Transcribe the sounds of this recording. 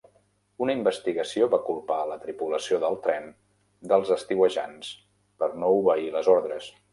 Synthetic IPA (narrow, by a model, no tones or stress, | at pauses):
unəimbəst̪iɣəsioβakulˠpalət̪ɾipuləsioðəlˠt̪ɾɛn | d̪əlˠzəst̪iwəʒa̰ns | pəɾnouβəiləzɔɾðɾəs